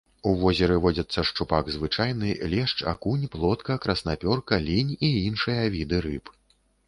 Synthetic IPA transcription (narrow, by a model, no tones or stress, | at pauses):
uvɔzʲɛɾɨvɔd͡zʲɐt̪sːɐʂt͡ʂupaɡzvɨt͡ʂajnɨlʲɛʂt͡ʂa̰kunʲplˠɔt̪kɐkɾɐsnapʲɔrkɐlʲinʲiinʂɨjɐvʲid̪ɨɾɨp